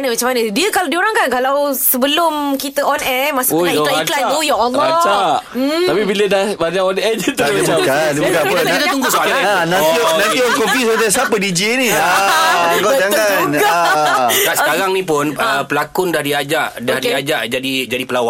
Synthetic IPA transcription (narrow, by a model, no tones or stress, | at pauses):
nəmat͡ʃamːanədiəkaladiuɾaŋkankalawsəbəlʊmkit̪əʔɔnɛmasaklaiklanujaɔlːɔat͡ʃaʔ̪apibilədahbaɲaʔɔnɛd͡ʒət̪əaadkaiuŋɡʊsaanãninãnt̪iɔnkofisəət̪asapədid͡ʒiini | ɡɔd͡ʒaŋanɡa | ɡaskaɾaŋnipʊnəpəlakʊndahdiad͡ʒaʔdahdiad͡ʒaʔd͡ʒadid͡ʒadipəlawa